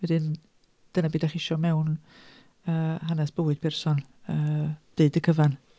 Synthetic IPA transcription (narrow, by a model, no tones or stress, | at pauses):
wɛdɪn | d̥ənabiːdaχɪʃɔmɛwn | əːɦanɛsb̥əwɨd̥̚pʰɛrsɔnəːd̥eɨdəkʰəvan